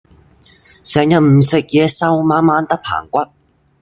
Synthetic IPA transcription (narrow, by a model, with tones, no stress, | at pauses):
sɛː˨ŋjɐ˨t̚m̩˨˩sɪ˨k̚jɛː˨˧sɐ˥wmaː˨˧˥nmaː˧˥nt̪ɐ˥k̚pʰa̰ː˨˩ŋkʷɐ˥t̚